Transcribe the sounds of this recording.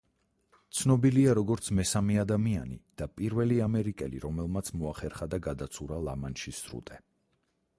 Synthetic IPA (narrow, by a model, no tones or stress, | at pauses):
t̪sʰnɔbiliaɾɔɡɔɾt̪sʰmɛsamɛad̪amianḭd̪̥apʼiɾvɛliamɛɾikʼɛlḭɾɔmɛlˠmat̪sʰmɔaχɛɾχad̪aɡad̪at̪sʰuɾalˠamanʃisɾṵt̪ʼɛ